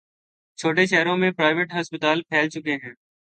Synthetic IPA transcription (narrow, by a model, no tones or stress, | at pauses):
t͡ʃʰoːʈeʃɛːɾõmẽpɾaːɪʋeːʈɦɐspɪt̪aːlpʰɛːlt͡ʃʊkeɦɛ̃ː